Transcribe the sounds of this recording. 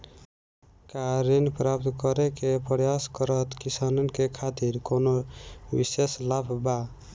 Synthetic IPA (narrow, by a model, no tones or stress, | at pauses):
kaɾinpɾap̚t̪kɔɾekepɾjaskəɾət̪kisanɔnkekʰat̪iɾkonobḭseslapʰba